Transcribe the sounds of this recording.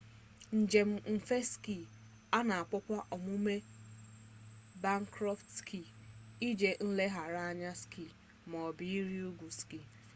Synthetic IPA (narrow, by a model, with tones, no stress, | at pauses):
n̩˨d͡ʒe˨m̩˦m̩˨fe˦ski˦˨ | a˦na˨a˨k͡pʊ˦kʷa˦ʔɔ˨mu˦me˦ | ba˦ŋ˦kɾɔ˦ftskʰi˦˨i˦d͡ʒe˨n̩˦le˦ɦa˨ɾa˦a˦ɲa˦ski˦˨ | mɔ˨bi˨i˦ɾi˦u˦ɡʷu˨ski˦˨